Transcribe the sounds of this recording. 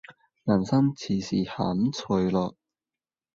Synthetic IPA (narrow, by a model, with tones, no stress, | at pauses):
laː˨˩nsɐ˥ŋt͡sʰiː˨˩siː˨˩hɐ̰˨˥mt͡sʰɵ˨˧jlɔː˨˧k̚